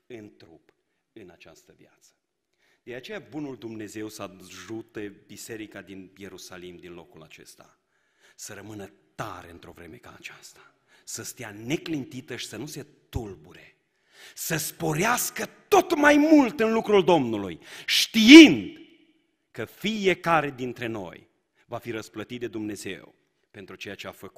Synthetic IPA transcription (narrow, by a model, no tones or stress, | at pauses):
ɨnt̪ɾup | ɨnat͡ʃast̪əvja̰t̪sə̥ | d̪̥e̞at͡ʃe̞jabunuld̪umne̞ze̞wsəaʒut̪e̞bise̞ɾikad̪inje̞ɾusalimd̪inlo̞kula̰t͡ʃe̞̰st̪a | səɾəmɨnət̪aɾe̞ɨnt̪ɾo̞vɾe̞me̞ka̰ːt͡ʃast̪ḁ | səst̪ijane̞klint̪it̪əʃi̥sənuse̞t̪ulbuɾe̞ | səspo̞ɾeaskət̪o̞t̪majmult̪ɨnlukɾuld̪o̞mnulujʃt̪iind̪ | kəfijekaɾe̞d̪int̪ɾe̞no̞̰j | vafiɾəsplət̪it̪̚d̪ed̪umne̞ze̞̰w | pe̞nt̪ɾut͡ʃe̞jat͡ʃeafəku̥t̪